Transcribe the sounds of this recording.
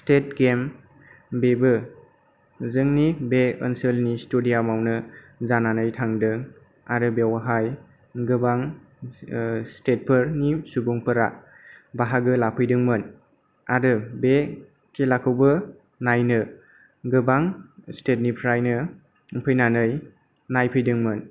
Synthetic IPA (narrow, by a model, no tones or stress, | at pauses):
stet̚ɡem | bebɯ | zɯŋnibeənsəlnistudijamawnɯ | zananɯjtʰaŋdɯ | aɾɯbewaɦaj | ɡɯbaŋ | stet̚pʰɯɾnisubuŋpʰɯɾa | baɦaɡɯlapʰɯjdɯŋmɯn | aɾɯbe | kʰelakʰɯwbɯ | najnɯ | ɡɯbaŋstet̚nipʰɾajnɯ | mpʰɯjnanɯj | najpʰɯjdɯŋmɯn